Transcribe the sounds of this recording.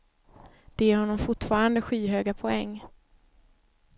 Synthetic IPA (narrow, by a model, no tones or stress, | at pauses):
d̪̥ɛjæɾhɔnːɔmfʊʈːfɑːɾand̪əɧiːɦøːɡapʰɔɛŋː